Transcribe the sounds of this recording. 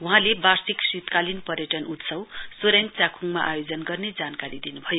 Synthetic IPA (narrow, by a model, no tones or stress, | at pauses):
ɦũɦãlebarsiksit̪kalinpʌrjʌʈʌnut̪sʌwsoɾent͡sakʰuŋma̰ʔajod͡zʌnɡʌrned͡zankaɾid̪inubʱʌjo